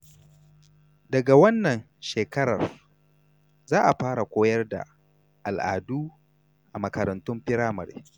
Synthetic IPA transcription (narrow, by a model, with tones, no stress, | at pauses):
dɐ˨ɡa˨wɐ˦nːɐ˨n | ʃeː˨kɐ˦ɾɐ̰˨r | zaː˦ʔa˨ɸaː˦ɾa˨kʷoː˦jɐ˦rda̰˨ | ʔa˨lʔa̰ː˨duː˦ | ʔa˨mɐ˨kɐ˨ɾɐ˨ntʊ˦mɸɪ˦ɾaː˦mɐ˨ɾḛ˦